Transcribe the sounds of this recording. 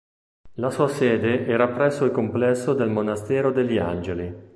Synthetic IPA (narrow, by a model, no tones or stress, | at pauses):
lasuːasɛːd̪eʔɛːɾapɾɛsːoikomplɛsːod̪elmonast̪ɛːɾod̪elːia̰nd͡ʒeli